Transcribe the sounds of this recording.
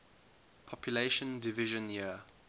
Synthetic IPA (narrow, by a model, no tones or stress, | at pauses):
pʰɔpʰjuleɪʃə̃ndɪvɪʒə̃nji